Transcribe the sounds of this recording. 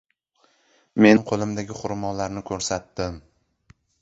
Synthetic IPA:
me̞nqʰolˠɪmd̪aɡʲɪχʊɾmɒlaɾnɪkʰɵɾsat̪ːɪm

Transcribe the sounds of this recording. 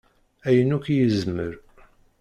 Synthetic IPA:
æjənukjəzməɾ

